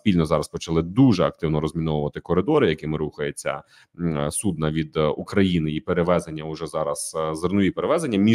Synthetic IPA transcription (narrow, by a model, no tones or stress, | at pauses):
sʲpʲilʲnɔzɑɾɐspɔt͡ʃɐlˠɪd̪uʒɛɐk̚t̪ɪwnɔɾɔzʲmʲinɔʋʊʋɐt̪ɪkɔɾɪd̪ɔɾɪjɐkimɪɾuxɐjet͡sʲːɐ̰ | sud̪̚nɐʋʲid̪ukɾɐjinɪipeɾeʋɛzenʲːɐʊʒɛzɑɾɐz̥zernʊʋʲipeɾeʋɛzenʲːɐmʲi